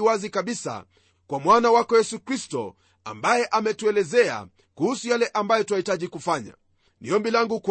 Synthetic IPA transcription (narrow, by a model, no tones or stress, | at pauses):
wazikaɓisa̰ | kwamwanawakɔjɛsukɾistɔ̰ | a̰mbajɛʔamɛtuɛlɛzɛa̰ | kuhusujalɛʔambajɔtuahitaʄikufaɲa̰ | niɔmbilaŋɡuk